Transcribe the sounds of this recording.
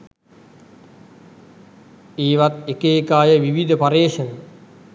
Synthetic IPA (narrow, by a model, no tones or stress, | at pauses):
eːʋat̪ekeːkaːjəʋiʋid̪ʱəpaɾeːʃən